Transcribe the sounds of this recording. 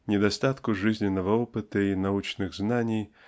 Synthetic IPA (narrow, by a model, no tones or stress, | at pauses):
nʲɪd̪ɐst̪at̪kʊʐɨzʲnʲɪnːəvəɔpɨt̪əinɐut͡ɕnɨɣznanʲɪj